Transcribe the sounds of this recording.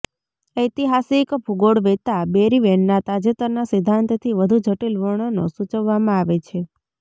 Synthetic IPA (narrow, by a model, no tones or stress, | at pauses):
əjt̪iɦasikbʱuɡoɽʋet̪abeɾiʋeɳːat̪ad͡ʒet̪əɾnasɪd̪ʱːant̪t̪ʰiʋəd̪ʱud͡ʒʱəʈilʋəɳ̃ono̰sut͡ʃəʋːamãaʋet͡ʃʰe